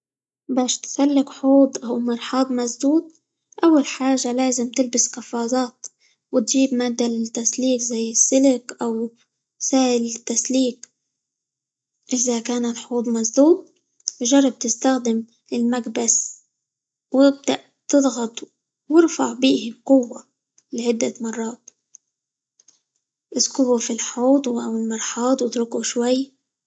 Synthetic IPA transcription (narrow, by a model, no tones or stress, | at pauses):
baːʃt̪salːɪkħuːd̪ˤʔawmɑɾˤħɑːd̪ˤmazd̪uːd̪̚ | ʔawːalħaːʒalaːzɪmt̪ɪlbɪskɑfɑːzˤɑːt̪ | wɪt̪ʒiːbmaːd̪alɪt̪ːasliːkzajːɪsːɪlɪkʔaw | saːʔɪlɪt̪ːasliːk | ʔɪzakaːnalħuːd̪ˤmazd̪uːd̪̚ˤ | ʒɑrˤːɑb̚t̪ɪst̪axd̪ɪm | ɪlmaɡbas | wɪb̚d̪aʔ | t̪ɨðˤɣɑt̪ˤ | wɪɾfɑʕbiːhɪqʊwːa | lɪʕɪd̪ːamɑrˤːɑːt̪̚ | ʔɪskʊbufilħuːt̪ˤwʔawɪlmɑɾˤħɑːt̪ˤwɪt̪ɾʊkuʃwajː